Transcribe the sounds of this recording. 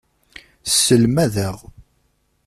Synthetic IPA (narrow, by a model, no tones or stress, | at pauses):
sːəlmæðəʁ